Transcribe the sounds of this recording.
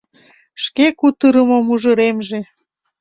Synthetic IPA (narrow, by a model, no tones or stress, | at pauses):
ʃkekut̪əɾəmomuʒəɾemʒe